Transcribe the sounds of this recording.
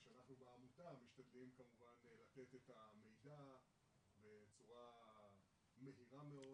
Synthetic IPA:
ʃeanaχnubeamutamiʃt̪ad̪limkamuvanlat̪e̞t̪et̪ame̞jda | be̞t͡suʁa | me̞ɦiʁameo

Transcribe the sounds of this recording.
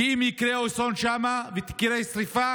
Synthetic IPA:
imjikɾeosonʃamavet̪i̥kɾesɾifa

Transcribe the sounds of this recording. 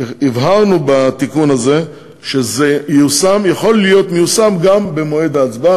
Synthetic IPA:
ivɦaʁnubat̪ikunaze̞ | ʃezejusamjaχo̞lːijo̞t̪mejusamɡambemo̞ed̪aːt͡sba

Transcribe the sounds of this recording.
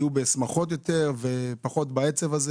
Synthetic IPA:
jubesmaχo̞t̪̬jo̞t̪eʁve̞paχo̞t̪baet͡sevaze

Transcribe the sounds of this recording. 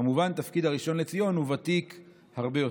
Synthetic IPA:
muvant̪afkid̪haʁiʃo̞nle̞t͡sijo̞nhuvat̪ik | haʁbejo

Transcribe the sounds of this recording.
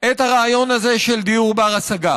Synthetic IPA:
et̪haʁaːjo̞naze̞ʃeld̪iuʁbaʁasaɡa

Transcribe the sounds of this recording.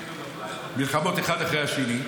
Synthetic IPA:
milχamo̞t̪eχad̪aχʁejhaʃeni

